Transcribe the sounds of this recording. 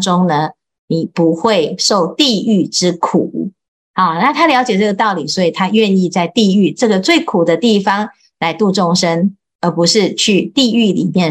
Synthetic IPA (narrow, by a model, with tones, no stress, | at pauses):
ʈ͡ʂoʊ˥ŋnə˧ | ni˨˩pu˧˦xwe˥˨ɪʂo˥˨ʊt̪i˥˧y˥˩ʈ͡ʂɻ̩˦˥kʰu˨˩˦ | a˨˩na˥˩t̪ʰa˥ljɑ˧˥ʊt͡ɕjɛ˨˩ʈ͡ʂɤ˥˩ɡə˩t̪ɑ˥˩ʊli˨˩swɔ˧˥i˨˩t̪ʰa˥ɥɛ˥˧ni˥˧t͡sa˥˧ɪt̪i˥˧y˥˩ʈ͡ʂɤ˥˩ɡə˨t͡swe˥˩ɪkʰu˨˩d̪ə˦t̪i˥˩fɑ˨˩ŋ | la˧˦˥ɪt̪u˥˧ʈ͡ʂʊ˥˩ŋʂə˦n | ə˞˨˧˥pu˧˦ʂɻ̩˥˧t͡ɕʰy˥˧t̪i˥˧y˥˩lḭ˨˩mjɛ˥˨